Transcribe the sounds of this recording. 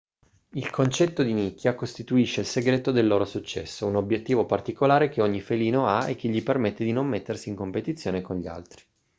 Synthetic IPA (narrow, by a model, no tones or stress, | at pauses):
ilkʰont͡ʃɛt̪ːod̪inikːjakost̪it̪uiʃːeilseɡɾeːt̪od̪elːoːɾosut͡ʃːɛ̰sːounobjet̪ːiːvopart̪ikolaːɾek̟eoɲːifeliːnoaḛkːeʎːipermet̪ːed̪inomːet̪ːersiːŋkompet̪it̪sːjoːnekonʎia̰lt̪ɾi